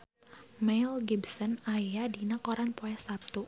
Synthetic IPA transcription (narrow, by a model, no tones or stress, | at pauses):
mɛjlɡibsɔnajjadinakɔɾanpoɛsap̚t̪u